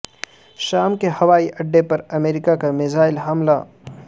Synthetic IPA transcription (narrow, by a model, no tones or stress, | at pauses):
ʃaːmkehɐʋaːiʔɐɖːepɐɾɐmeːɾɪkakamɪzaːɪlɦɐmla̰